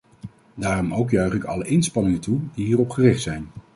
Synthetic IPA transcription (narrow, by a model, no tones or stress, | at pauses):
daːrɔmowkjœɥχɪkɑ̰ləʔɪnspɑnɪŋəntudiɦiːrɔpχərɪχtsɛjn